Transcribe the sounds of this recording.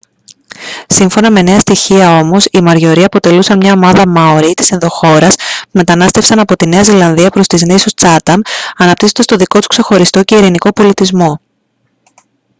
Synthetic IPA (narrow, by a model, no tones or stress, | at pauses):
siɱfo̞nɐme̞ne̞ɐst̪içiɐo̞mo̞simɐɾʝo̞ɾiɐpo̞t̪e̞lusɐnmɲɐo̞mɐðɐmɐoɾit̪i̥sienðo̞xo̞ɾɐspume̞t̪ɐnɐst̪e̞fsɐnɐpo̞t̪ine̞ɐzilɐnðiɐpɾo̞st̪iznesust͡sɐt̪ɐnɐnɐp̚t̪isot̪est̪o̞ðiko̞t̪u̥kse̞xo̞ɾist̪o̞ce̞iɾiniko̞po̞lit̪izmo̞